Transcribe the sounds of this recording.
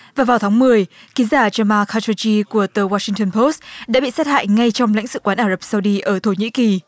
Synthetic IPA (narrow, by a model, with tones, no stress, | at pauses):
vaː˨˩vaː˨˩wt̪ʰaː˨˦ŋmɨ˨˩əjki˨˦zaː˧˩t͡ɕəː˧maː˧xaː˧t͡ɕo˧t͡ɕi˧ku˧˩ət̪əː˨˩waː˧sï˧ŋt̪ə˧npʰo˦˥st̚ɗa̰ː˧˥ɓḭ˧˨sa˦˥t̚ha̰ː˧˨jŋa˧jt͡ɕɔ˧wŋ͡mla̰˧˥jŋ̟sɨ̰˧˨kwaː˨˦nʔaː˧˩zə˨˩p̚sa˧wɗi˧ʔəː˧˩t̪ʰo˧˩ɲḭ˧˥ki˨˩